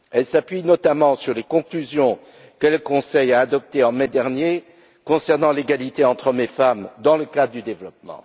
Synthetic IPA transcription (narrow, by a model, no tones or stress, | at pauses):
ɛlsapɥinɔt̪amɑ̃syʁlekɔ̃klyzjɔ̃ | kələkɔ̃sɛjaːd̪ɔp̚t̪eɑ̃mɛd̪ɛʁnje | kɔ̃sɛʁnɑ̃leɡalit̪eɑ̃t̪χɔmefamd̪ɑ̃ləkad̪ʁd̪yd̪evlɔpmɑ̰̃